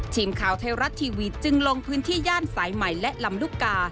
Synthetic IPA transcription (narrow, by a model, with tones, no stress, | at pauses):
t͡ɕ̪ʰiː˨˩mkʰaː˩˦wt̪ʰeː˧wɾa˦˥t̪ʰːiː˧wi˦˥t̪̚t͡ɕɯ˧ŋlo˧ŋpʰɯː˦˥nt̪ʰiː˥˩jaː˥˩nsaː˩˦jma˨˩jlɛ˦˥ʔla˧mluː˥˩kːaː˧